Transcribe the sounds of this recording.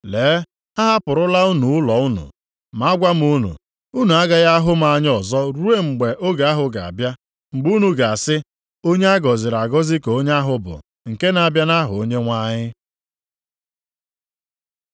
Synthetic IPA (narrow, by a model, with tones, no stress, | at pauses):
leː˨˦ | a˦ɦa˦pʊ˨ɾʊ˦la˦u˦nu˨ʊ˦lɔ˨ʊ˦nṵ˨ | ma˨˦a˦ɡʷa˦m̩˦u˦nṵ˨ | u˦nu˨a˦ɡa˦ɣa˦ɦʊ˦m̩˦a˨ɲ˦ɔ˨zɔ˦ɾu˦e˦ŋ͡m̩˨ɡ͡be˨ʔo˦ɡa˨˦a˦ɦʊ˨ɡa̰˨a̰˨bja˦ | ŋ͡m̩˨ɡ͡bu˦nu˨ɡa˨a˨sɪ˦ | o˦ɲe˦a˦ɡɔ˨zɪ˨ɾa˨ɡɔ˦zɪ˦ko˨o˦ɲe˦a˦ɦʊ˨bʊ̰˨ | ŋ̩˨ke˦na˨bja˦na˦ɦʊ˨o˦ɲe˦ŋʷa˦ɲɪ˦